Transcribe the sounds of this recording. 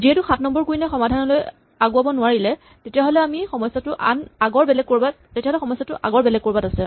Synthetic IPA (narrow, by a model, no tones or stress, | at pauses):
ziɦɛtʊxatʰnɔmbɔɹkuinɛxɔmadʱanɔloj | aɡʊabɔnʊaɹilɛ | tetijaɦɔlɛamixɔmɔjsːatʊʔa̰naɡɔɹbɛlɛɡ̚kːoɹbat | tetiaɦoɔlɛxɔmɔsatʊʔa̰ɡɔɹbɛlɛɡ̚koɹbatasɛ